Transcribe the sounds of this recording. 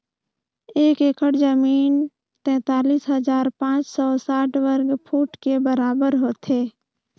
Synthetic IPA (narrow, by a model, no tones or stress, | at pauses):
eːkekʰəɽd͡ʒəmiːn | t̪ɛ̃ːt̪aːliːsɦəzaːɾpãːt͡ʃsɔsaːʈwəɾɡpʰuːʈkebəɾaːbəɾɦoːt̪ʰeː